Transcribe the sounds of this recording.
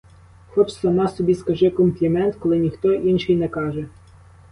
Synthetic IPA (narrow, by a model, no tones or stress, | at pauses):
xɔt͡ʃsɐmɑsɔbʲiskɐʒɪkɔmplʲimɛnt̪kɔlˠɪnʲixt̪ɔʔinʃɪjnɛkɑʒɛ